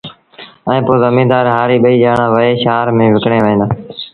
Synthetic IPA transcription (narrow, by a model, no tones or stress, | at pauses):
ɛ̃ːpoːzəmĩːd̪aːɾɦaːɾiːɓəiːd͡ʒaːɳãːʋəeːʃaːɾmẽːʋɪkɳeːʋə̃nd̪aː